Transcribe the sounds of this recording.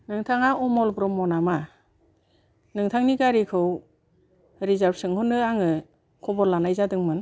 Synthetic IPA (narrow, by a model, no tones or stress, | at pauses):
nɯŋtʰaŋaʔɔmɔlbɾɔmːɔnama | nɯŋtʰaŋniɡaɾikʰɯw | ɾizaɾbsɯŋhɯnɯaŋɯ | kʰɔbɔɾlanajzadɯŋmɯn